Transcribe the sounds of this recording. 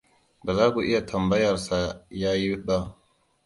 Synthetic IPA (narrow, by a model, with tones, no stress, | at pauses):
bɐ˨zaː˦ɡo˨ʔɪ˦ja˨tʰɐ˨mbɐ˦jɐ˨ɾsa˨jaː˦ji˦wba˦